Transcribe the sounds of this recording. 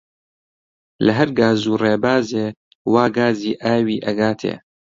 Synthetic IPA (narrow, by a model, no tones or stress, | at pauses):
lɐɦɐɾɡaːzuːreːbaːzeː | waːɡaːziːʔaːwiːʔɐɡaːt̪ʰḛː